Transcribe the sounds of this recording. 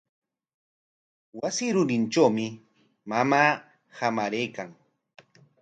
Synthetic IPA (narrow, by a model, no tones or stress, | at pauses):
wasɪɾʊɾɪnʈ͡ʂawmɪ | mamaː | hamaɾejkaŋ